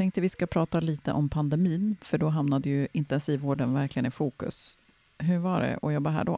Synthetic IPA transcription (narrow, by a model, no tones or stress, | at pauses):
t̪ʰɛŋk̚t̪əvɪskapʰɾɑːt̪aliːt̪ə̰ʔɔmpʰand̪ɛmiːnfœɖɔɦamnad̪əjɵɪnt̪ɛnsiːvoːɖənvæɾklɪɡənɪfuːkɵ̰s | ɦɵɾvaɖɛ̰ʔɔjɔbːaɾɦæ̰ːɖɔ̰